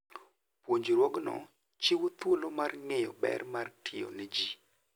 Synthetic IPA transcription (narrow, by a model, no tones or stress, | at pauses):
pwoɲd͡ʒɾwoɡnɔ̰ | t͡ʃiwot̪wolomarŋejɔbɛ̰rmartʰɪjo̰nɛd͡ʒi